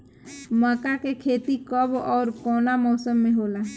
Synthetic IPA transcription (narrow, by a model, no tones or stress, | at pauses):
məkakekʰeːt̪ikəbɔːɾkɔːnamɔːsəmːẽɦoːlaː